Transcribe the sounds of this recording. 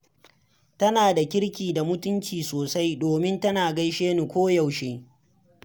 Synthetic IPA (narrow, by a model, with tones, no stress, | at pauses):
tɐ˦naː˨da˨kʲɪ˦ɽkʲiː˨da˨mʊ˦tʊ˦nt͡ʃiː˨soː˨sa˦jdoː˨mɪ˦ntɐ˦naː˨ɡɐ˦jʃeː˦nu˨kʷoː˦ja˨wʃeː˦